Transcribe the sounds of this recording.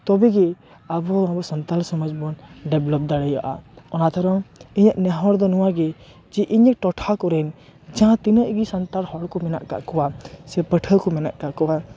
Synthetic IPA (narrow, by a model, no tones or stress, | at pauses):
t̪ɔbɛɡɛ | abɔãbɔsɔnt̪alsɔmɔd͡ʒbɔnɖɛblɔp̚d̪aɽɛjaʔa̰ɔnat̪ʰɔɾɔŋiɲəʔnɛɦɔɽd̪ɔnɔwaɡɛ | d͡ʒɛʔiɲəʔ̚ʈɔʈʰakɔɾɛn | d͡ʒãt̪inəʔɡisant̪aɾhɔɽkɔmɛna̰ʔka̰ʔkɔwasɛpəʈʰəkɔmɛna̰ʔkaʔkɔwa